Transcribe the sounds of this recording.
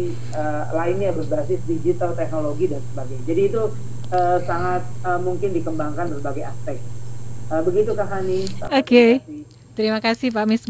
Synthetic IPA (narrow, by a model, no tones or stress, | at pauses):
ə | laɪnjabərbasɪsdid͡ʒit̪alt̪ɛk̚noloɡidansəbaɡajd͡ʒadiːt̪u | ʔəsaŋat̪̚əmuŋkɪndikəmbaŋkanbərbaɡaja̰spɛk̚əbəɡit̪ukaɦhanisaokei | t̪əɾimakasɪhpamɪs